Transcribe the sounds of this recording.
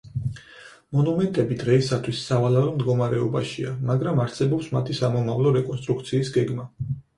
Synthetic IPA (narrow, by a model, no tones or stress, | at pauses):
mɔnumɛnt̪ʼɛbid̪ʁɛisat̪ʰwisːavalaɾɔmd̪ɡɔmaɾɛɔbaʃiamaɡɾamaɾsɛbɔpsmat̪ʰisamɔmavlˠɔɾɛkʼɔnst̪ʼɾuk̚ʰt̪sʰiːsɡɛɡma